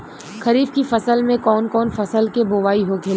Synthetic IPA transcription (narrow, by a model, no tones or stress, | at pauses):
xɐɾiːfkifɐsəlmẽkɔːnkɔːnfɐsəlkeboːʋaːiɦokʰeːl